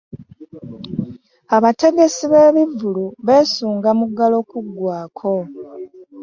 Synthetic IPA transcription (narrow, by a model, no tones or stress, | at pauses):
aβate̞ɡe̞siβe̞ːβivːuluβe̞ːsuːŋɡamuɡalo̞ːkuɡːwaːkʰo̞